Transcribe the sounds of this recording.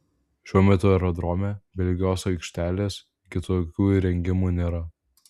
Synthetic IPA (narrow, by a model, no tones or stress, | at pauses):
ʃʲuɔmʲɛt̪ʊɛɾɔd̪ɾoːmʲɛbʲɛlʲɡʲɪjoːsɐɪkʃʲt̪ʲæːlʲeːs | kʲɪt̪oːkʲuːiɾʲɛŋʲɡʲɪmuːnʲeːɾɐ